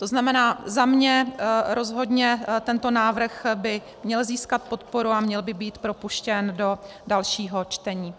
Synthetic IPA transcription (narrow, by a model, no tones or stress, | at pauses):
t̪o̞znamɛnaːzamɲɛɾo̞zɦo̞dɲɛt̪ɛnt̪o̞naːvr̩xbɪ | mɲɛlziːskat̪̚po̞t̪po̞ɾuamɲɛlbɪbiːt̪pɾo̞puʃcɛndo̞ | dalʃiːɦo̞t͡ʃt̪ɛɲiː